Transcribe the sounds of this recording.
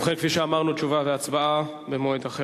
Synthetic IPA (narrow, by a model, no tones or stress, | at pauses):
χekfiʃeamaʁnutt͡ʃuvaveat͡sbaa | bemoed̪aχe